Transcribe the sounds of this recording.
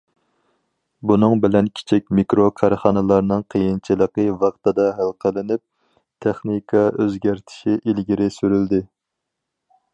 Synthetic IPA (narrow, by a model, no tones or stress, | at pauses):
bunɨŋbɪlɛnkʲʰi̥t͡ʃʰikʲmikɾokʰɑɾχɑnɨlˠɑɾnɨŋqʰəjint͡ʃʰilˠəqəvɑqt̪ɨd̪ɑɦælˠqʰəlˠɪnyp̚ | t̪ʰeχnikʰɑøzɡʲæɾt̪ʰɪ̥ʃiʔilɡʲiɾɪsyɾyld̪ɪ